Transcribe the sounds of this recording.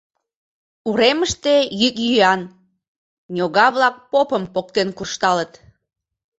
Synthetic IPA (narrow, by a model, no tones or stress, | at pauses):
uɾeməʃt̪e̽jykjyɑn | nʲoɣɑβlɑk̚popəmpok̚t̪enkurʃt̪ɑlət̪